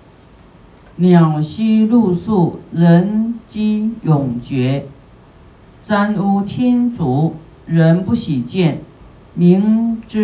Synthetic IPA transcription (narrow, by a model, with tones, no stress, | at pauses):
njɑ˨˩ʊɕi˥lu˥˧su˥˩ɻə˧˥nt͡ɕi˥jʊ˨˩ŋt͡ɕɥɛ˧˥ | t͡sa˥nu˥t͡ɕʰi˥nt͡su˧˥˦ | ɻə˧˥npu˥˩ɕi˨˩t͡ɕjɛ˥˩n | mi˧˥ŋʈ͡ʂ̩˥